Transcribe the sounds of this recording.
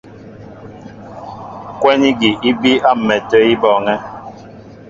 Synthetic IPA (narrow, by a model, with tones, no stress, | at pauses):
kwɛ˦ni˦ɡi˨ʔi˦bi˦a˦m̩˨mɛ˨tə˦i˦bɔ˨ŋɛ˦